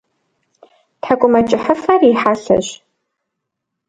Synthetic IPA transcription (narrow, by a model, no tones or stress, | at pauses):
tʰħakʷʼʊmɐt͡ʃʼɪħəfɐriħaːɬɐ̰ɕ